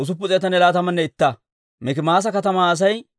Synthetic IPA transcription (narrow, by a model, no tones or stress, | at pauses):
ʊs̬ʊp̬ːʊt͡sʼɛjɐt̪ɐnɛlaːt̪ɐmɐnːɛɪt̪ːɐ | mɛkɪmaːs̬ɐkɐt̪ɐmaːs̬ɐj